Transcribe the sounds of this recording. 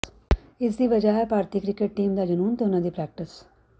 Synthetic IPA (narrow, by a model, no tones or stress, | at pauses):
ɪs̬d̪iːʋəd͡ʒaːɦɛːpaːɾt̪ɪkɾɪkeʈ̚ʈiːmd̪aːd͡ʒənuːnt̪eʊnãːd̪iːpɾɛːk̚ʈɪs